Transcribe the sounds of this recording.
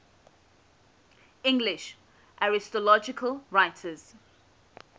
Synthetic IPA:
ɪ̃ŋɡlɪʃ | ʔaɹɪstɔlɔd͡ʒɪkʰəlɹaɪtʰəz̥

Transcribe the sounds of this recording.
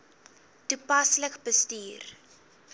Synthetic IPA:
tupɐsləkbəstiːr

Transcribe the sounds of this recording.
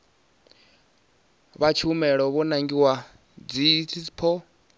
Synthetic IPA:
βat͡ʃʰumɛɺɔβɔnaŋɡiwa | d͡zit͡sʰiipʰɔ

